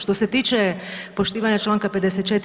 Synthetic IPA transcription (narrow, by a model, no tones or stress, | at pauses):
ʃt̪o̞set̪iːt͡ʃɛpo̞ʃt̪iːʋaɲat͡ʃlˠaːŋkaped̪eset̪t͡ʃet̪